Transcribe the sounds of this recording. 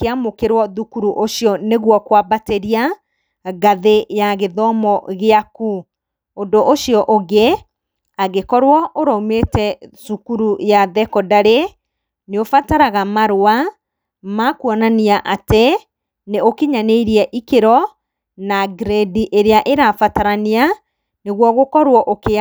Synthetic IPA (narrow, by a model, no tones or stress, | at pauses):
keamokeɾwɔðukuɾuʔoɕjɔneɣwɔkwabateɾia | ɡaðejaɣeðɔmɔɣeaku | ondoʔoʃijɔʔoɣe | aɣekɔɾwɔʔoɾɔumetɛsukuɾujaðɛkɔdaɾe | neofataɾaɣamaɾoa | makuɔnaniaʔate | neokiɲaneiɾiɛʔikeɾɔ | naɡɾediʔeɾeaʔeɾafataɾania | neɣwɔɣokɔɾwɔʔoke